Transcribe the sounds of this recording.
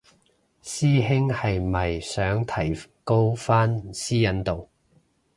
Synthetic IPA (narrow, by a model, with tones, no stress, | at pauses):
siː˥ɦɪ˥ŋhɐ˨jmɐ˨jsœː˨˥ŋt̪ʰɐ˨˩jko˥wfaː˥nsiː˥jɐ˨˥nt̪o˨w